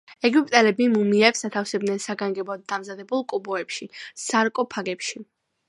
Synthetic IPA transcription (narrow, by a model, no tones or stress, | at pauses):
ɛɡupʼt̪ʼɛlɛbimumiɛpsat̪ʰafsɛb̚d̪nɛnsaɡaŋɡɛbɔd̪̚d̪amzad̪ɛbulˠkʼubɔɛpʃisaɾkʼɔpʰaɡɛpʃi